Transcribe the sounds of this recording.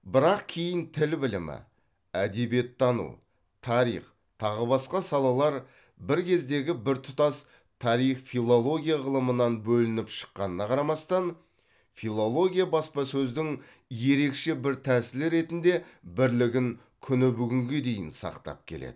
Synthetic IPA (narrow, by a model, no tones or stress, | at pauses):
bɪɾɑqkʲʰejɪnt̪ʰɪlbɪlɪmɪ̰ | æd̪e̞bije̞t̪ːɑnṵ | t̪ʰɑɾḭjχ | t̪ʰɑʁəbɑsqɑsɑlˠɑlˠɑɾ | bɪɾkʲʰe̞zd̪e̞ɡʲɪbɪɾt̪ʰʊt̪ɑs | t̪ʰɑɾijχfilˠo̞lˠo̞ɡʲijaʁəlˠəmənɑnbɵlɪnɪpʃə̥qːɑnənɑqʰɑɾɑmɑst̪ɑn | filˠo̞lˠo̞ɡʲijabɑspɑsɵzd̪ɪŋ | je̞ɾe̞kʃe̞bɪɾt̪ʰæsɪlɪɾe̞t̪ɪnd̪e̞bɪɾlɪɡʲɪŋ | kʲʰʏnɪbʏɡʲɪŋɡʲe̞d̪e̞jɪ̰nsɑ̰qt̪ɑ̰p̚kʲʰe̞̰lḛd̪̥ɪ